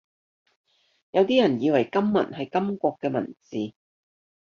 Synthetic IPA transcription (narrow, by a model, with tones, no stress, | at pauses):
jɐ˨˧wt̪iː˥jɐ˨˩njiː˨˧wɐ˨˩jkɐ˥mːɐ̰˨˩nɦɐ˨jkɐ˥mkʷɔː˧kːɛː˧mɐ̰˨˩nt͡siː˨